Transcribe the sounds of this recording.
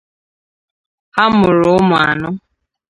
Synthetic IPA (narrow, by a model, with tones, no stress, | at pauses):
ha˦mʊ˨ɾʊ˦mʊ˨a̰˨nʊ˦